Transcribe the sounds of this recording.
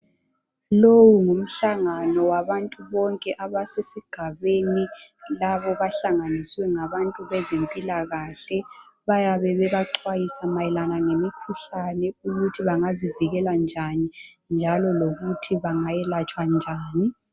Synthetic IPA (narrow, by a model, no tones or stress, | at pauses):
lowuŋum̩ɬaŋanɔwaβantʼuβɔŋkʼɛʔaβasesiɡ̥ʱaβeni | laβɔβaɬaŋaniswɛŋaβantʼuβɛzempʼilaɣaɬɛβajaβɛβɛβaǃwajisamajɛlanaŋemikʰuɬanɛuɣutʰiβaŋaziviɣɛland͡ʒʱanind͡ʒʱalɔloɣutʰiβaŋajɛlat͡ʃʼwand͡ʒʱaːni